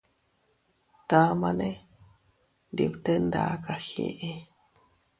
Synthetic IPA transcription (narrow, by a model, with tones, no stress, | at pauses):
t̪a˦ma˦ne | ndḭ˧pt̪ə˦nd̪a̰˨ka˨hḛʔe˦